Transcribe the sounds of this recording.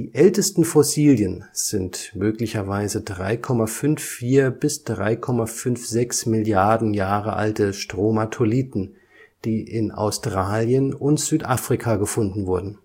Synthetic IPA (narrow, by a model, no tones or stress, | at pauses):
d̥iːʔɛltəstn̩fɔsiːljənz̥ɪntmøːklɪçɐvaɪzədʁa̰ɪkʰɔmafʏnfiːɐbɪsd̥ʁa̰ɪkʰɔmafʏnfz̥ɛksmɪljaɐdn̩jaːʁəʔa̰ltəʃtʁ̥omatʰoliːtn̩ | d̥iːʔɪna̰ʊstʁ̥aːljənʊntz̥yːtʔaːfʁ̥ikʰaɡəfʊndn̩vʊɐdn̩